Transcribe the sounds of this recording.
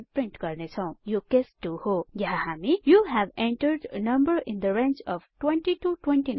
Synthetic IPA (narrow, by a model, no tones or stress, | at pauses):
pɾɪ̃ɳʈkʌɾnet͡ʃʰãw̃jokesʈuhojaɦaɦamijuɦæʋẽɳʈəɾɖnʌ̃mbəɾɪ̃nd̪əɾẽnt͡ʃɔʋʈwẽnʈiʈuʈwẽnʈin